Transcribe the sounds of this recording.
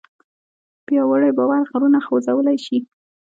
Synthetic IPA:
pjɑwəɽajbɑwaɾɣaɾunaxowzawəlajʃi

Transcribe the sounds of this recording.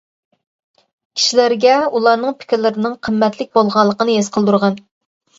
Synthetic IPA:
kʲʰi̥ʃilæɾɡʲɛulˠɑɾnɨŋpʰɪ̥kʲɪɾlɪɾɪnɨŋqʰəmːɛt̪lɪk̚ʲbolˠʁɑllˠːəqənɨjesqʰəlˠd̪uɾʁɑn

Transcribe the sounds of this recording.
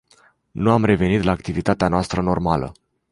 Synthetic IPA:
nuamre̞ve̞nit̪laːk̚t̪ivit̪at̪eanoast̪ɾəno̞rmalə̰

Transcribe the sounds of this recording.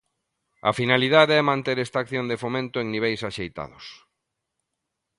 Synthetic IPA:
ɐ̰finaliðaðeɛmãnt̪eɾɛst̪akθjond̪efomẽnt̪ʊeŋniβ̞ejsaʃejt̪a̰ðʊs

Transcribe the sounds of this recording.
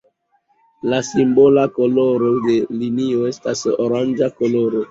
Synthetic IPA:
lasimbo̞lako̞lo̞ɾode̞linio̞e̞stasoɾand͡ʒakoloɾo

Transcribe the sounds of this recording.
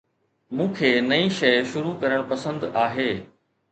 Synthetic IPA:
mũːkʰeːnɐiʃɐjʃʊɾukɐɾəɽ̃pɐsə̃nd̪aːɦeː

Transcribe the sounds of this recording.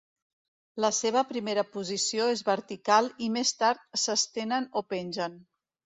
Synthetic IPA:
ləseβ̞əpɾimeɾəpuzisioezβəɾt̪ikalˠimest̪aɾt̪̚səst̪enənopenʲʒən

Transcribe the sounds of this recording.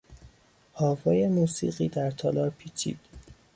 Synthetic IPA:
hɒːvɒːjemuːsḭːɢiːd̪æɾt̪ʰɒːlɒːɾpʰiːt͡ʃʰḭːd̪̥

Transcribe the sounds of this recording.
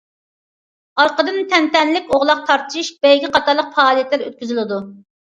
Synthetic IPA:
ɑɾqəd̪ɨnt̪ʰɛnt̪ɛnlɪkʲoʁlˠɑq̚t̪ʰɑɾt̪ɨ̥ʃiʃb̥ɛjɡʲiqʰɑt̪ʰɑɾlˠəqfɑːlˠijɛt̪læɾø̰t̪̚kʲyzylɪd̪u

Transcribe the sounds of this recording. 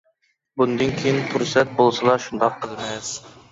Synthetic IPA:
bund̪ɨnkʲʰejint̪ʰuɾsɛt̪̚bolˠsɨlˠɑʃund̪ɑqʰːəlˠmɨ

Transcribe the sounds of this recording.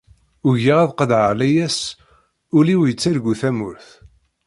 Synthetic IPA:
ʊʝiʁæðqəd̪ʕəlæjæs | ʊliwjət͡sːæɾɡʷuθæmʊɾθ

